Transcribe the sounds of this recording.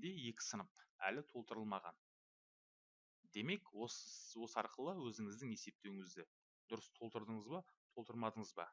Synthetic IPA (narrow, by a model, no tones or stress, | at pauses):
d̪e̞je̞kʲɪ̥sənəp̚æ̰lɪt̪ʰo̞lˠt̪əɾəlˠmɑʁɑ̰n | d̪e̞me̞kwowo̞səɑɾqəlˠəwɵzɪŋɪzd̪ɪŋe̞se̞p̚t̪e̞wɪŋɪzd̪ɪ | d̪̥ʊɾəst̪ʰo̞lˠt̪əɾd̪əɴəzbɑt̪ʰo̞lˠt̪əɾˠmɑd̪əɴəzbɑ̰